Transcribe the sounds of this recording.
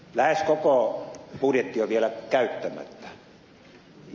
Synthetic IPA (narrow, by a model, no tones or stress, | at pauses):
læheskokopudjet̪ːioʋielækæyt̪ːæmæ̰t̪ːæ̥